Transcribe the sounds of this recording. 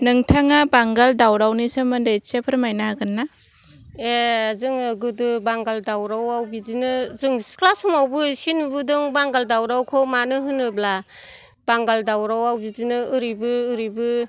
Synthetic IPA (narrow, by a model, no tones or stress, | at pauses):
nɯŋtʰaŋabaŋɡaldawɾawnisɯmɯndajsepʰɯɾmajnaɡɯnːa | eazɯŋɡɯdɯbaŋɡaldawɾawawbizinɯzɯŋsklasumawbɯsinubɯdɯŋbaŋɡaldawɾawkʰɔmanɯɦɯnɯbla | b̥aŋɡaldawɾawawbizinɯɯɾibɯɯɾibɯ